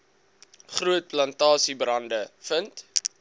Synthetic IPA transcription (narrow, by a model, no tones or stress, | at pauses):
χruət̚plɐntɑːsibrɐndəfənt